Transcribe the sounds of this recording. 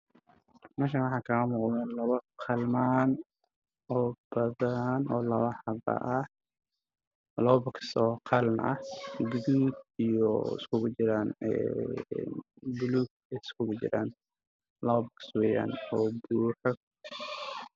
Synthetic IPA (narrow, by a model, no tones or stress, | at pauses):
mɛːʃ̬anwɑħɑːkʰɐɐmʊːqlɛnlɐβɐqʰɑlmaːn | ɔːbɐðɐnʔɔːlɐwɐħɑβɐ̰ʔɐ | lɔbɐksɔːqʰɑlmʔɐ̰hɡʊðuːd̪ijɔɪ̰skʰʊɣʊt͡ʃɪɾaːnɛ̰ | bʊluːɡ̚ | skʰʊɣʊt͡ʃɪ̰ɾaːn | lɐβɐbɐkswɛja̰ːnɔːbuːħɔ